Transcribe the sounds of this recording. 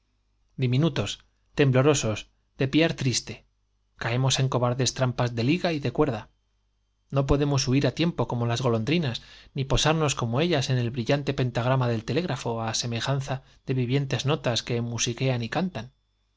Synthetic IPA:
d̪imĩnut̪o̞s | t̪e̞mblo̞ɾo̞so̞s | d̪̥e̞piaɾt̪ɾist̪e̞ | kae̞mo̞se̞ŋko̞βaɾðe̞st̪ɾampazðe̞liɣaiðe̞kwe̞ɾða | no̞p̬o̞ðe̞mo̞suiɾat̪je̞mpo̞ko̞mo̞lazɣo̞lo̞nd̪ɾinasnipo̞saɾno̞sko̞mo̞e̞ʎase̞ne̞lβɾiʎant̪e̞pe̞nt̪aɣ̞ɾamaðe̞lt̪ele̞ɣɾafo̞ase̞me̞xan̟θa | ðe̞βiβje̞nt̪e̞zno̞t̪aske̞ːmmusike̞anikant̪an

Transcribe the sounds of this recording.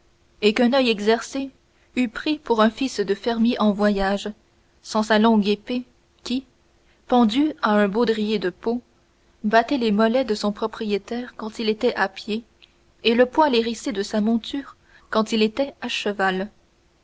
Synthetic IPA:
ekɛ̃nœjɛɡzɛʁse | ypχipuʁɛ̃fisd̪əfɛʁmjeʔɑ̃vwajaʒ | sɑ̃salɔ̃ɡepe | kʲi | pɑ̃d̪yaɛ̃bod̪ʁijed̪əpo | bat̪ɛlemɔlɛd̪əsɔ̃pχɔpχijet̪ɛːʁkɑ̃t̪ilet̪ɛʔapjeː | ləpwaleʁised̪əsamɔ̃t̪yːʁ | kɑ̃t̪ilet̪ɛaʃəval

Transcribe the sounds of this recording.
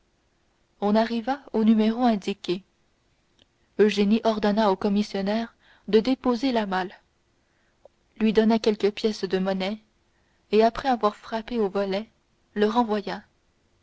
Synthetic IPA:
ɔ̃naʁivaonymeʁoɛ̃d̪ikʲe | øʒeniʔɔʁd̪ɔnaokɔmisjɔnɛʁ | d̪əd̪epozelamal | lɥid̪ɔnakʲɛlkəpjɛsd̪əmɔnɛ | eapχɛavwaʁfχapeovɔlɛ | ləʁɑ̃vwaja

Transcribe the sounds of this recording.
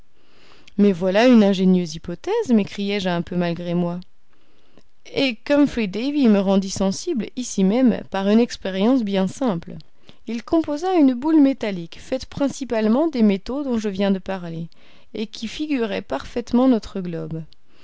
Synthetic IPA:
mɛvwalaynɛ̃ʒenjøzipɔt̪ɛzmekχijɛʒɛ̃pømalɡʁemwa | ekɔmfid̪eviməʁɑ̃d̪isɑ̃siblisimɛmpaʁynɛkspeʁjɑ̃sbjɛ̃sɛ̃pl | ilkɔ̃pozaynbulmet̪alikfɛt̪pχɛ̃sipalmɑ̃d̪emet̪od̪ɔ̃ʒəvjɛ̃d̪əpaʁle | ekʲʰifiɡʲyʁɛpaʁfɛt̪mɑ̃nɔt̪χəɡlɔb

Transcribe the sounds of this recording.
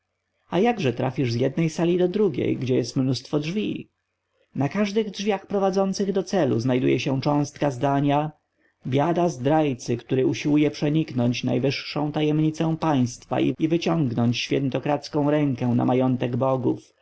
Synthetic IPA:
ajaɡʐɛt̪ɾafʲiʐzjɛd̪nɛjsalʲid̪ɔd̪ɾuɡʲḛjɡd͡ʑɛjɛst̪mnust̪fɔdʐvʲi | nakaʐd̪ɘɣdʐvʲjaxpɾɔvad̪zɔnt̪sɘɣd̪ɔt̪sɛluznajd̪ujɛɕɛ̃t͡ʂɔ̃w̃st̪̚kazd̪aɲa | bʲjad̪azd̪ɾajt̪sɘkt̪uɾɘuɕiwujɛpʂɛɲiknɔɲt͡ɕna̰jvɘʂːɔ̃w̃t̪ajɛmɲit̪sɛ̃w̃paj̃st̪fa̰ʔḭivɘt͡ɕɔ̃ŋɡnɔɲt͡ɕɕfʲjɛnt̪ɔkɾat̪skɔ̃w̃ɾɛŋkɛw̃na̰majɔnt̪ɛɡbɔɡuf

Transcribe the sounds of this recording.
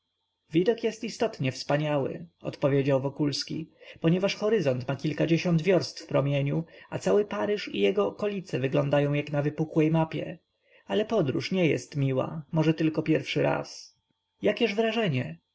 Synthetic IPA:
vʲid̪ɔkjɛst̪ist̪ɔt̪ɲɛfspaɲawɘ̰ɔ̰t̪pɔvʲjed͡ʑawvɔkulskʲḭpɔɲɛvaʂxɔɾɘzɔnt̪makʲilkad͡ʑeɕɔnd̪vʲjɔɾst̪fpɾɔmʲeɲuat̪sawɘpaɾɘʂḭjɛɡɔːkɔlʲit̪sɛvɘɡlɔnd̪ajɔ̃w̃jaknavɘpukwɛjmapʲjɛ̰ | alɛpɔd̪ɾṵʂɲɛjɛ̰st̪mʲiwa̰mɔʐɛt̪ɘlkɔpʲjɛɾfʂɘɾa̰s | jakʲɛʐvɾaʐɛɲɛ

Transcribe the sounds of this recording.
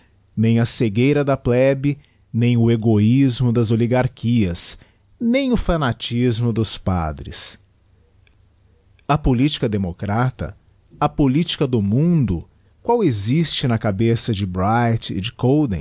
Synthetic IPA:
nẽj̃ɐseɡejɾɐd̪ɐplɛbɪ | nẽj̃ʊeɡoizmʊd̪ɐzoliɡaɾkʰiɐs | nẽj̃ʊfɐnat͡ʃizmʊd̪ʊspa̰d̪ɾɪ̰s | ɐpolit͡ʃi̥kɐd̪emokɾat̪ɐ̰ | ɐpolit͡ʃi̥kɐd̪ʊmũd̪ʊ | kwawezist͡ʃɪnɐkabesɐd͡ʒɪbɾajt͡ʃɪ̰d͡ʒɪkowd̪ḛ̃

